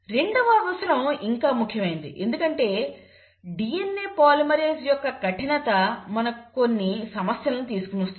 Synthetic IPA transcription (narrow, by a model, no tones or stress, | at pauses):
ɾe̞ɳɖuʋaːʋɐslɐmiŋkaːmukʰjɐmɐjind̪ḭʔe̞̰nd̪ukɐɳʈe̞ː | ɖiːjenːeːpaːlimɐɾeːd͡ʒjɔkːɐkɐʈinɐt̪ɐmɐnɐkko̞nːisɐmɐsjɐlɐnut̪̬iːsukunɐst̪